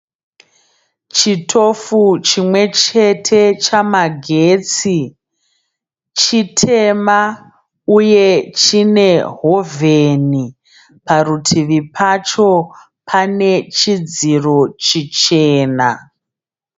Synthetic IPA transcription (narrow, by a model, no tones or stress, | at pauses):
t͡ʃitʰo̞fut͡ʃimwe̞t͡ʃe̞tʰe̞t͡ʃamaɡʱet͡si | t͡ʃitʰe̞ma | uje̞t͡ʃine̞ɦo̞vʱeni | parutʰiʋipʰat͡ʃo̞ | pʰane̞t͡ʃid͡ziro̞t͡ʃit͡ʃeːna